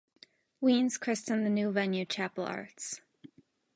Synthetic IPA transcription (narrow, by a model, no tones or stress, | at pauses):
wĩnz̥kʰɹ̥ɪstɨ̃nðɨnʉvɛ̃njʉt͡ʃʰæpl̩ˠɑ̰ɹts